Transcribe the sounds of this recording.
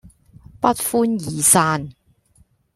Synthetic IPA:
pɐ˥t̚fuː˥njiː˨saː˧n

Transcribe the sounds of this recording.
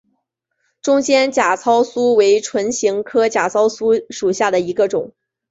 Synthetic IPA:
ʈ͡ʂʊ˥ŋt͡ɕjɛ˥nt͡ɕja˨˩t͡sʰɑ˥ʊsu˥we˧˥ɪʈ͡ʂʰwə˧˥nɕi˧˥ŋkʰɤ˥t͡ɕja˨˩t͡sʰɑ˥ʊsu˥ʂu˨˩ɕja˥˩d̪ə˩i˧˥ɡə˧ʈ͡ʂʊ˨˩˦ŋ

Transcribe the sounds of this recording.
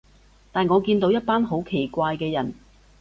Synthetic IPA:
t̪aː˨˩nŋɔː˨˧kiː˧nt̪o˨˥wjɐ˥t̚paː˥nɦo˨˥wkʰe˨˩jkʷaː˧jkɛː˧jɐ˨˩n

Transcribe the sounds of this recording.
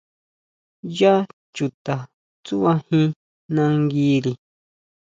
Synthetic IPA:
ja˦ | t͡ʃu˨t̪a˨ | t͡su˦βa˧hĩ˧ | nã˧ŋɡi˦ɾi˨

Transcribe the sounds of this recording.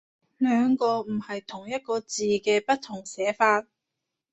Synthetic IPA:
lœː˨˧ŋkɔː˧m̩˨˩hɐ˨jt̪ʰʊ˨˩ŋjɐ˥t̚kɔː˧t͡siː˨kɛː˧pɐ˥t̚t̪ʰʊ˨˩ŋsɛː˨˥faː˧t̚

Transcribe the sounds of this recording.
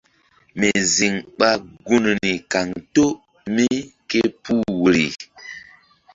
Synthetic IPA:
me˨zi˨ŋɓa˦ɡu˦n˨ni˨ka˨ŋto˦ | mi˦ke˦pu˦wu˨ɾi˨

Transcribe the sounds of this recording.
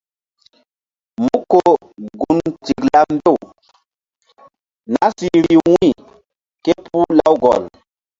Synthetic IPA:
mu˦kːo˦˨ | ɡu˨nti˨kla˦m˦be˦˨ | na˦si˦ɾi˨wi˦˨ | ke˦pu˦la˦wɡɔ̰˨l

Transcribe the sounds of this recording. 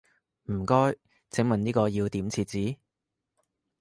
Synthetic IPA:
m̩˨˩kɔː˥j | t͡sʰɪ˨˥ŋmɐ˨niː˥kɔː˧jiː˧wt̪iː˨˥mt͡sʰiː˧t̚t͡siː˨˥

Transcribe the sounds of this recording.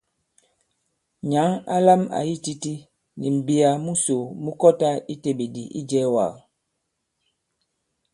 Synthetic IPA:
ɲa˨˦ŋa̰˦la˦ma̰˨ji˦ti˦ti˦ | nḭ˨m̩˨bi˦a˨mu˦so˨mu˦kɔ˦ta˦i˦te˨be˨di˨ʔḭ˦d͡ʒɛ˦wa̰˨ɣ

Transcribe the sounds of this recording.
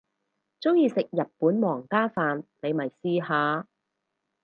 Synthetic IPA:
t͡sʊ˥ŋjiː˧sɪ˨k̚jɐ˨t̚puː˨˥nmɔː˨˩ŋkaː˥faː˨nne˨˧jmɐ˨˩jsiː˧haː˨˧

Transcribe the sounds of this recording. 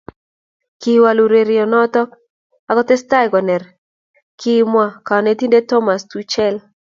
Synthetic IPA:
ki˨wa˨lu˨ɾe˨ɾɪ˨ɔ˨nɔ˦t̪ɔ˦ | a˨kɔ˦t̪ɛ˦sta˦jɡɔ˨nɛ˨r | kʰi˦mwa˦˨ka˨ne˨t̪i˦nde˦tɔ˦ma˨st̪u˦t͡ʃɛ˦l

